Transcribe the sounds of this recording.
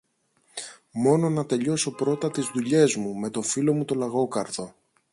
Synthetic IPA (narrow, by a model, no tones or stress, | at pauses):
mo̞no̞nɐt̪e̞ʎo̞so̞pɾo̞t̪ɐt̪izðuʎe̞zmume̞t̪o̞filo̞mut̪o̞lɐɣo̞kɐɾto̞